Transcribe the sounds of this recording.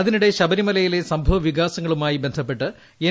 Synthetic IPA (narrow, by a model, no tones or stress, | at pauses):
ɐðinuɽe̞ɕɐbɐɾimɐlɐjile̞sɐmbʱɐʋɐʋiɣaːsɐŋːɐɭumaːjibe̞nd̪ʱɐpːe̞ʈːɨ | e